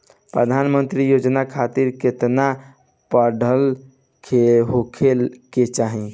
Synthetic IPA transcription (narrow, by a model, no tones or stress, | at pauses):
pɾəd̪ʱanmənt̪ɾijod͡ʒnakʰat̪iɾket̪na | pəɖʱəl | kʰeɦokʰelket͡ʃaɦi